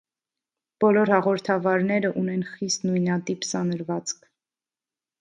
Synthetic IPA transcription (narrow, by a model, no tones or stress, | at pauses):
b̥ɔlɔɾhɑʁɔɾt̪ʰɑvɑɾnɛɾəʔunɛnχist̪nujnɑt̪ipsɑnəɾvɑt͡skʰ